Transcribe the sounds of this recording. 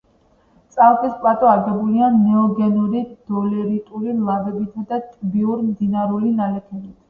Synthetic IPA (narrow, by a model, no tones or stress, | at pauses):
t̪sʼalˠkʼispʼlat̪ʼɔaɾɡɛbulianɛɔɡɛnɔɾid̪̥ɔlɛɾit̪ʼuɾilˠabɛbit̪ʰd̪at̪ʼbiuɾmd̪inaɾulinalɛpʰɛbit̪ʰ